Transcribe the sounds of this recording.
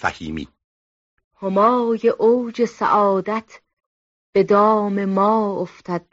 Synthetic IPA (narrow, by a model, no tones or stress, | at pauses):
fæ̰hiːmḭː | homɒːjeʔowd͡ʒe̞sæ̰ʔɒːd̪æt̪ʰ | b̥e̞d̪ɒːme̞mɒːoft̪ʰæd̪̥̚